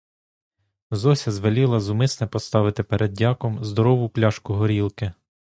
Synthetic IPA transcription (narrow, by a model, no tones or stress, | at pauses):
zɔsʲɐzʋɐlʲilˠɐzʊmɪsnɛpɔst̪ɑʋɪt̪ɪpeɾʔɛd̪̚dʲɑkɔmzd̪ɔɾɔʋʊplʲɑʃkʊɦɔɾʲilˠkɪ